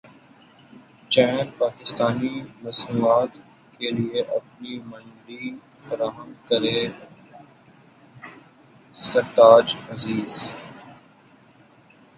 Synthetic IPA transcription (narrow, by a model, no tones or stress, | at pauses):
t͡ʃɛːnpaːkɪst̪aːnimɐsnuːaːt̪ | kelieʔɐpnimɐ̃lɖi | fɐɾaːɦə̃mkɐɾe | sɐɾt̪aːd͡ʒɐziːz